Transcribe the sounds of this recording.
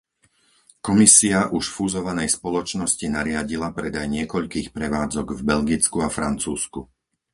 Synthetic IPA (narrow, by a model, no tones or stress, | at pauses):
kɔmisiaʔuʃfuzɔʋanɛjspɔlɔt͡ʃnɔscinaɾɪaɟilapɾɛd̪ajɲɪɛkɔʎkiːxpɾɛʋaːd͡zɔɡvbɛʎɡit͡skuafɾant͡suːsku